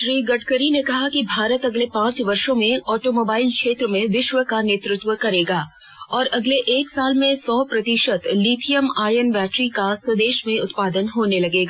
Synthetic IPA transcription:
ʃɾiːɡɐʈʰkəɾinekɐɦakibʱaːɾət̪ɐɡlepãːt͡ʃʋɐɾʃõmẽɔːʈoːmoːbaːɪlkʃeːt̪ɾəmẽʋɪʃʋəkaneːt̪ɾʊt̪wəkɐɾeːɡaː | ɔːɾɐɡleʔeːksaːlmẽsɔːpɾɐt̪ɪʃət̪liːʈʰijəmaːjənbɛːʈɾikasɐd̪eːʃmẽʊt̪paːd̪ənɦoːnelɐɡeːɡaː

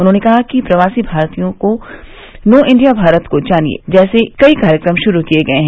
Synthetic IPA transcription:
ʊnɦõːnekɐɦakipɾɐʋaːsibʱaːɾt̪ijõko | noːʔɪ̃ɳɖijabʱaːɾət̪kod͡ʒaːniḛd͡ʒɛːsekɐikaːɾjəkɾəmʃʊɾukijeɡɐeɦɛ̃ː

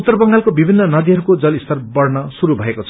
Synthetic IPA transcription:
ut̪ːʌrbʌŋɡalkobibʱinːʌnʌd̪iɦʌɾukod͡zʌlist̪ʰʌrbʌrnʌsuɾubʱʌekot͡sʰ

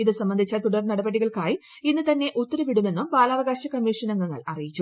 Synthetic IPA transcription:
iðɨsɐmbɐnd̪ʱit͡ɕːɐt̪uɽɐrnɐɽɐbɐɽiɣɐɭkaːji | inːɨt̪ɐnːe̞ʔut̪ːɐɾɐʋiɽume̞nːumbaːlaːʋɐɣaːɕɐkɐmːiːʂɐnɐŋɡɐŋːɐ̰ɭɐ̰rijit͡ɕːu

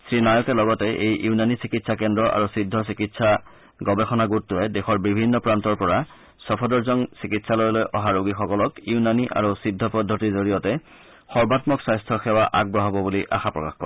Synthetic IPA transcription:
sɹinajɔkɛlɔɡɔtɛʔejʔuunanisikitsakɛndɹɔʔa̰ɹusidʱːɔs̬ikitsa | ɡɔbɛxɔnaɡutːʊɛdexɔɹbibʱinːɔpɹantɔɹpɔɹa | sɔpʰɔdɔɹzɔŋsikitsalojlojʔɔɦaɹoɡixɔkɔlɔkiunaniʔa̰ɹusidʱːɔpɔdʱːɔtizoɹijɔtɛ | xɔɹbatmɔksajstʰɔxɛwaʔa̰ɡ̚bɹɔɦɔbɔbuliʔa̰xapɹɔ̰kaxkɔɛ

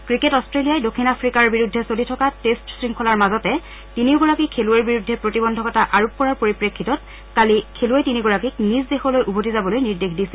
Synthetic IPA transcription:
kɹiketɔstɹelijajdokʰːinapʰɹikaɹbiɹudʱːɛsolitʰɔkatestsɹiŋkʰɔlaɹmazɔtɛ | tiniʊɡɔɹakikʰeluɛɹbiɹudʱːɛpɹotibɔndʱɔkɔtaʔaɹuppːɔɹaɹpoɹipɹekʰːitɔt̚ | kalikʰːeluɛtiniɡɔɹakik̚nizdexɔlojʔubʱotizabɔlojniɹdexdisil

